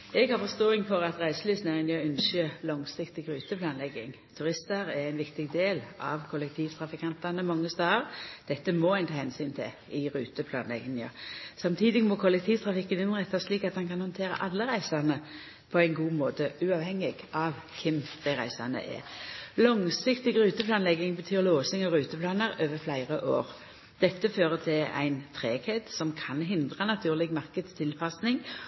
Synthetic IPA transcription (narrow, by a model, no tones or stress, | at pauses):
ɛɡhɑʁfɔst̪oːɪŋfɔʁɑt̪ʁæɪsəlyːsnæʁɪnjəʏnsəlɔŋsɪkt̪ɪɡʁʉːt̪əpʰlɑːnlɛɡɪŋ | t̪ʰʉʁɪst̪ɑɾæʁæɪnʋɪkt̪ɪɡd̪eːlɑʋkʰɔlɛk̚t̪ʰiːʋt̪ʰʁɑfɪkʰɑnt̪ɑnəmɑŋːəst̪ɑːəʁd̪̥ɛt̪ːəmɔæɪnt̪ʰɑːhɛnsyːnt̪ʰɪ̰ | ɪɾʉːt̪əpʰlɑ̰ːnlɛ̰ɡɪŋɑ̰sɑmt̪ʰiːd̪ɪɡmɔkʰɔlɛk̚t̪ʰiːʋt̪ʰʁɑfɪkːənɪnʁɛt̪ːɑsʂliːkɑt̪hɑnkɑnhɔnt̪ʰeːʁə̰ʔɑlːəɾæɪsɑnə | pʰɔæɪnɡuːmoːt̪əʉɑːʋhɛŋːɪɡ̥ʔɑʋ | kʰɪmd̪̥æɪʁæ̰ɪsɑnə̰ʔɛ̰lɔŋsɪkt̪ɪɡʁʉːt̪əplɑːnlɛɡɪŋbət̪ʰyːʁloːsɪŋɑʋɾʉːt̪əpʰlɑːnəʁøːʋəɾflæɪʁəʔo̰ːʁ | d̪̥ɛt̪ːəføːʁət̪ʰɪlæ̰ɪnt̪ʰʁeːkʰet̪sɔmkʰɑnɦɪnd̪ʁɑnɑt̪ʰʉːʁlɪɡmɑʁkəd̪st̪ʰɪlpʰɑsnɪŋ